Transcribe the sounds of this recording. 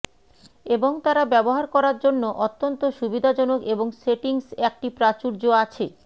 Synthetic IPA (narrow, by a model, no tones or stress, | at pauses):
eboŋt̪aɾabɛboɦaɾkɔɾaɾd͡ʑonːoʔot̪ːont̪oʃubid̪ʱad͡ʑɔnokeboŋseʈiŋsɛk̚ʈipɾat͡ɕuɾd͡ʑoat͡ɕʰe